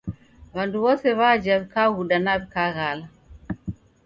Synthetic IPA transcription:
βanduβɔsɛβad͡ʒaβikaɣuɗanaβikaɣala

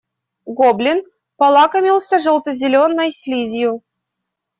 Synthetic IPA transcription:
ɡoblʲin | pɑlˠɑkəmʲilˠsʲaʐə̆lˠt̪əzʲɪlʲonːəjsʲlʲizʲju

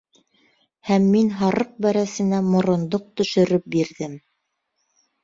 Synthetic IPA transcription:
hæmːinɦɑɾɤq̚bæɾæsɘ̆næmŏɾŏnd̪oq̚t̪ɵ̆ʃɵ̆ɾɵp̚biɾðɘm

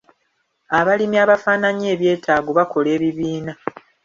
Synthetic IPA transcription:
aβalimiaβafaːnaɲe̞ːβje̞ːtʰaːɡoβako̞le̞ːβiβiːna

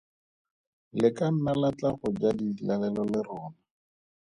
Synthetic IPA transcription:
lɪkam̩malat͡ɬaχʊd͡ʒadilalɛlɔlɪrɔːna

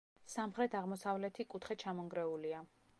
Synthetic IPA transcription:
samχɾɛt̪ʰaʁmɔsavlɛt̪ʰikʼut̪χɛt͡ʃʰamɔŋɡɾɛulia

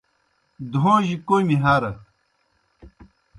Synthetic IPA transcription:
d̪ʱõːʑikojmiɦaɾɐ

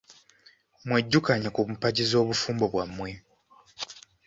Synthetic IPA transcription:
mwe̞ɟːukaɲakumupaɟizo̞ːβufuːmbo̞βwamːwe̞

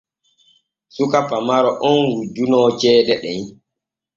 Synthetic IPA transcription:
sukapamaɾɔʔɔnwud͡ʒunɔt͡ʃɛːdɛɗɛn

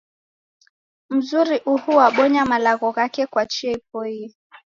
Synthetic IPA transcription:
m̩zuɾiʔuhuwaɓɔɲamalaɣɔɣakɛkwat͡ʃiɛip̚ɔi

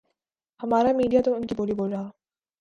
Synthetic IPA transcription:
amaɾamidiat̪oɯnkiboɾiboɭːa

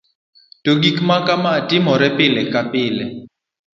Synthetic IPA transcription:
toɡikmakamatʼɪmɔɾɛpɪlɛkapɪlɛ

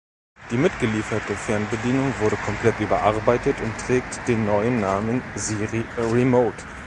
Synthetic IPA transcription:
d̥iːmɪtɡ̥əliːfɐtəfɛɐnbədiːnʊŋvʊɐɾəkʰɔmpl̥ɛtʔyːbɐʔaɐbaɪtətʰʊntʁ̥ɛːk̚td̥eːnːɔʏənːaːmənziːʁiʁimoʊt

